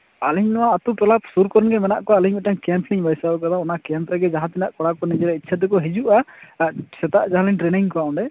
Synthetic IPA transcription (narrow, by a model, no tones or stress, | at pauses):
aliɲnɔwaːt̪uʈɔlapsuɾkɔɾɔnɡɛmɛnaʔkɔaliɲmɛʈaŋkɛmpniɲbajsabɛkat̪ʰaɔnakɛmpɾɛɡɛd͡ʒaɦãt̪inaʔkɔɽakɔnid͡ʒɛɾɛitːt͡ʃʰad̪ɛkɔɦid͡ʒuʔa | sɛt̪aʔd͡ʒaɦaliɲʈɾɛniŋkɔaɔ̃ɳɖɛ